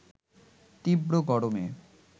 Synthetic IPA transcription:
t̪ibɾoɡɔɽome

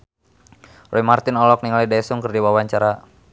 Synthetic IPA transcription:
rʔɔimart̪ɪnɔlɔk̚niŋalidasʊŋkərdiwawaɲt͡ʃaɾa

